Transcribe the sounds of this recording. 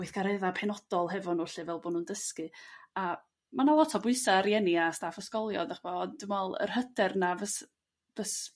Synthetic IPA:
ʊɨθɡ̥aɾɛðapʰɛnɔd̥ɔlˠɦɛvɔnʊɬɨvɛlˠboːnundəskɨa | manawɔtʰɔbʊɨsaɾjɛniastaːfəskɔlˠjɔ̰daχbɔnd̥əmɔlˠə̰r̥hədɛrnavəs | v̥əs

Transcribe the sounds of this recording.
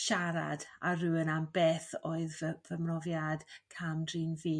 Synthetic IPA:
ʃaɾa̰darɨwənambeːθɔɨðvəmrɔvjad̥kʰamdriːnviː

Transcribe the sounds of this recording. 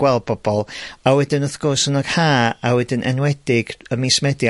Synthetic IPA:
wɛlˠd̚bɔb̥ɔlˠawɛdɪnɔθɡ̥ʊrsənɔɡ̥haːawɛdɪnʔɛ̰nwɛdɪɡəmismɛdj

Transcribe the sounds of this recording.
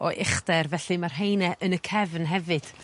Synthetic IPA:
ɔʔɪχdɛrvɛɬɨmarɦejnɛʔənəkʰɛvnɦɛvɨd̥

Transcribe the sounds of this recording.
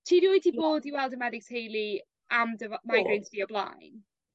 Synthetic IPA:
tʰiːɾiojtʰiboːdiwɛlˠdəmɛdɪkshejli | ʔamdəvmajɡɹensv̥iəbla̰jn

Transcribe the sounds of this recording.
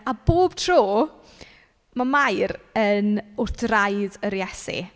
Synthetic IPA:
aboːb̥̚tʰroː | mamajɾənʊrθrajðəɾjɛsḭ

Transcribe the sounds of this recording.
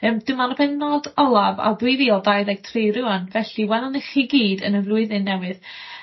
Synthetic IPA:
əːmd̥əmaɾəbɛnnodɔlˠava̰bwɪðiɔlˠdajðɛɡ̥̚tʰrejɾɪɔnvɛɬiwɛlˠɔnɛχiɡiːdə̰nəvrʊɨðɨnːɛwɨð

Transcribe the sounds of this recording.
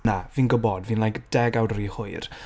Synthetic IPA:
naviːnɡʊbɔdviːnlajkd̥ɛɡawdɾihʊɨr

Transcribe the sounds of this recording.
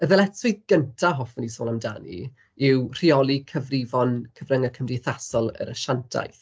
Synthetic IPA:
əðɛlɛtʰʊjðɡ̥əntʰaɦɔfɔnisoːlˠamda̰ːnḭ | ɪwr̥iɔlˠikʰəvrɪvɔnkʰəvrəŋəkʰəmrɪθasɔlˠə̰ɾəʃantʰa̰jθ

